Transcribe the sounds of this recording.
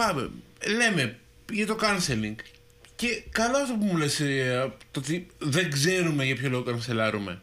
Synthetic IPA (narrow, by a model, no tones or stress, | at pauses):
pɐvḛle̞me̞ | ʝɐt̪o̞kɐnseliŋɡ | ce̞kɐloɐft̪opumulest̪oot̪iðeŋɡze̞ɾume̞ʝɐpçolo̞ɣokɐnselɐɾume̞̰